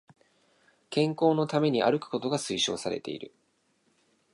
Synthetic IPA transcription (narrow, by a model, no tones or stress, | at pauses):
kẽ̞ŋko̞ːno̞t̪ame̞ɲ̟iʔa̰ɾɯ̟kɯ̟̥ko̞t̪o̞ɡasɨiɕo̞̰ːsaɾe̞̰t̪e̞̰ḭɾɯ̟̰